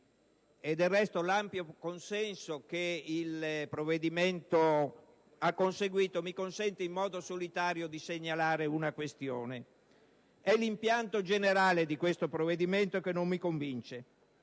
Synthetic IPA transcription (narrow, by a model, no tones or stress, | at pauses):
ed̪ːelːɛst̪olampjokonsɛnsokeilpɾovːed̪iment̪o | akːonseɡwiːt̪omikonsɛnt̪eimːɔːd̪osolit̪aːɾjod̪iseɲːalaːɾeunakwest̪joːne | ɛlimpjant̪od͡ʒeneɾaːled̪ikwest̪opɾoved̪iment̪okenːomːikoɱvint͡ʃe